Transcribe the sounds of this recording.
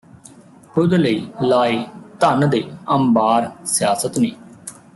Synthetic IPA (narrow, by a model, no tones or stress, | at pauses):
kʰʊd̪ləiːlaːeːt̪ənd̪eːəmbaːɾsɪjaːsət̪niː